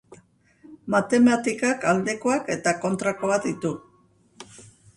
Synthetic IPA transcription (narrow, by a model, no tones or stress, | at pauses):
mat̪e̞mat̪ikakald̪e̞ko̞ake̞t̪ako̞nt̪ɾako̞βad̪it̪u